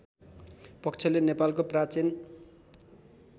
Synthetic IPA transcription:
pʌkt͡sʰʌlenepalkoprat͡sin

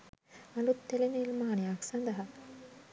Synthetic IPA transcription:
ɐlut̪ːelenilmaːnijaːksɐnd̪ɐɦɐ

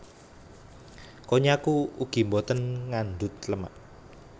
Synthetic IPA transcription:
koɲakuuɡ̥i̤mbɔt̪ənŋand̪ʊt̪̚ləma̰ʔ

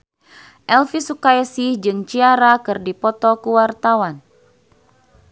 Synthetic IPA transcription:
ʔɛlfisukaɛsid͡ʒɨŋt͡ʃiaɾakɨrdipɔt̪ɔkuwart̪awan

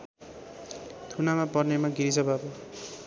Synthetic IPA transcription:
t̪ʰunamapʌrnemaɡiɾisʌbabo

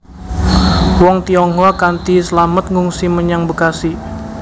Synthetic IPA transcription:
wɔŋt̪iɔŋɦɔkant̪isəlamət̪̚ŋuŋsiməɲaŋbəkasi

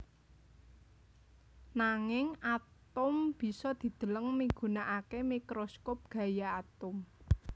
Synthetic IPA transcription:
naŋɪŋat̪ʊmb̥i̤sɔd̪̥i̤d̪̥ə̤ləŋmiɡ̥ṳnaʔakemikɾoskop̚ɡ̥ä̤jaːt̪ʊm

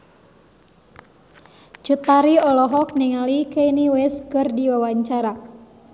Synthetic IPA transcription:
d͡ʒ̥ut̪aɾiɔlɔɦɔk̚niŋalikeiniwɪskɨrdiwawaɲt͡ʃaɾa

